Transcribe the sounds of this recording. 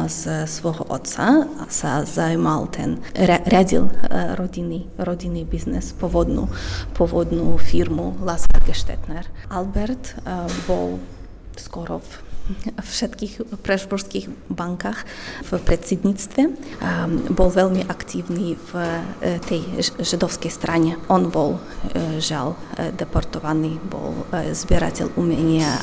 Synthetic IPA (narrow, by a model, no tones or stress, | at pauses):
zsʋɔɦɔ̰ʔɔ̰t̪t͡sasazaimalt̪ʰɛ̰naɾʲadḭlɾɔdiniɾɔdinibiznɛ̰spɔvɔd̪nṵpʰɔvɔd̪nufiɾmulaskaɾɡɛʃt̪ɛ̰t̪nɛɾʔalbɛɾt̪bɔ̰l | skɔɾɔf | fʃɛt̪kixpɾɛʒbɔɾskixbaŋkaxfpɾɛt̪sɛd̪ɲit͡st̪vʲjɛ | bɔlvɛlmiʔakt̪ivnivt̪ʰɛjʒɪd̪ɔfskɛjst̪ɾaɲɛʔɔnbɔl | ʒald̪ɛpɔɾt̪ɔvanibɔ̰lzbʲjɛɾa̰tʲɛ̰lʔumʲɛɲiɛ